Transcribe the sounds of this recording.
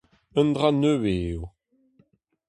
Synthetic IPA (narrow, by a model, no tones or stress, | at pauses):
ənd̪ʁanøweːu